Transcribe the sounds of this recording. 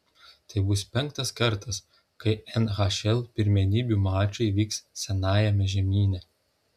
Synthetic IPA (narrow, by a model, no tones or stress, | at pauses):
t̪ɐɪbʊspʲɛŋk̚t̪ɐskɐɾt̪ɐs | kɐɪɛnɣɑʃʲɛlˠpʲɪɾʲmʲɛnʲiːbʲuːmɑːt͡ʃʲɐɪʋʲiːkssʲɛnɑːjɛmʲɛʒʲɛmʲiːnʲɛ